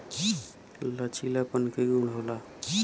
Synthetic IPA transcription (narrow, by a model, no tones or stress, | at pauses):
ki | lət͡ʃʰilapənkeuɳɽ̤ɦola | k